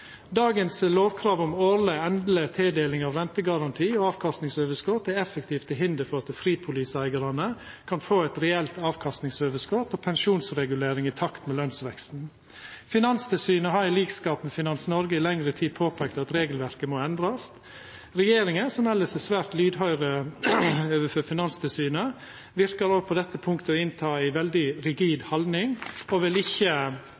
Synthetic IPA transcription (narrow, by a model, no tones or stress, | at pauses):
d̪ɑːɡənsloːʋkʰɾɑːʋʊmoːɾləɛnd̪lət̪ʰɛːd̪eːlɪŋɑʋɾɛnt̪əɡɑɾɑnt̪ʰiːɔɑːʋkʰɑst̪nɪŋsøːʋəskɔt̪ːæɛfəkt̪ʰiːft̪ʰɪɦɪnd̪əɾfɔɾɑt̪fɾiːd̪̚pʰʊliːsæɪɡəɾɑnə | kʰɑnfoːɛt̪ɾɛɛlt̪ɑːʋkʰɑst̪nɪŋsøːʋəskɔt̪oːpʰɛnʃuːnsɾɛɡʉleːɾɪŋɪt̪ʰɑkt̪mɛlœnsʋɛkst̪n̩ | fɪnɑnst̪ʰɪlsyːnəɦɑɾæliːɡskɑːpmɛfɪnɑnsnɔɾɡəɪlɛŋɾət̪ʰiːd̪̚pʰoːpʰɛːk̚t̪ɑt̪ɾeːɡəlʋæɾkəmoɛnd̪ɾɑs | ɾɛjeːɾɪŋəsɔmɛlːəsɛsʋæːɾt̪lyːd̪ɦœʏɾə | øːʋəføːfɪnɑnst̪ʰɪlsyːnə | ʋɪɾkɑɾoːpʰɔd̪ɛt̪ːəpʰʊŋkt̪əɔɪnt̪ʰɑːɪʋɛld̪ɪɾɪɡiːd̪hɑlnɪŋɔʋɪlɪçːə